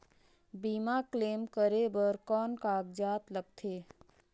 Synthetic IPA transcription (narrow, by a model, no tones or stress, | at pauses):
biːmakleːmkəɾebəɾkɔːnkaːɡ̚d͡ʒaːt̪ləɡ̚t̪ʰeː